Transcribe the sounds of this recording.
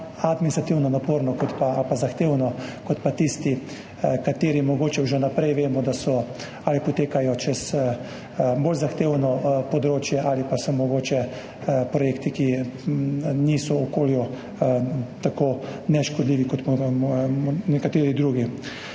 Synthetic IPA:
ad̪minist̪ɾat̪iwnɔnapoːɾnɔkɔt̪paalpazaxt̪eːwnɔkɔt̪pat̪ist̪i | kat̪eːɾimɔɡoːt͡ʃɛʒɛnapɾɛjʋeːmɔd̪asɔ | aːlipɔt̪eːkajɔt͡ʃɛs | boːlzaxt̪eːwnɔpɔd̪ɾoːt͡ʃjɛʔalipasɔmɔɡoːt͡ʃɛ | pɾɔjekt̪iki | niːsɔɔkoːlju | t̪akoːnɛʃkɔd̪liːʋikɔt̪ | nɛkat̪eːɾid̪ɾuːɡi

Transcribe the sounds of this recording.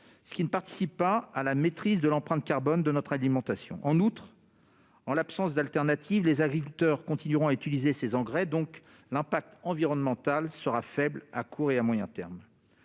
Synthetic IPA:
sə̥kʲinəpaʁt̪i̥sipːaːlamet̪χizd̪əlɑ̃pχɛ̃t̪kʲaʁbɔnd̪ənɔt̪χalimɑ̃t̪asjɔ̰̃ʔɑ̃nut̪χ | ɑ̃lapsɑ̃sd̪alt̪ɛʁnat̪ʰivlezaɡʁikʲylt̪œʁkɔ̃t̪inyʁɔ̃ayt̪ilizesezɑ̃ɡʁɛd̪ɔ̃k | lɛ̃pak̚t̪ɑ̃viʁɔnmɑ̃t̪alsəʁafɛbla̰kʰuʁeamwajɛ̰̃t̪ɛ̰ʁm

